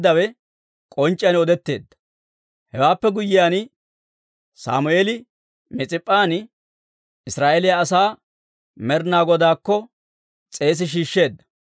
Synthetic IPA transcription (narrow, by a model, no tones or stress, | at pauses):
d̪ːɐwɛ | kʼɔnt͡ʃʼːɪjɐnɔd̪ɛt̪ːe̞ːd̪ːɐ̥ | hɛwaːpːɛɡʊjːɪjaːn | sa̰ːmʊeːlɪ | mɛt͡sʼɪpʼːaːnɪ | ɪsɾaːʔɛlɪjaːsaː | mɛɾnaːɡɔd̪aːkːɔ | t͡sʼe̞ːs̬ɪʃ̬iːʃːe̞ːd̪ːɐ̥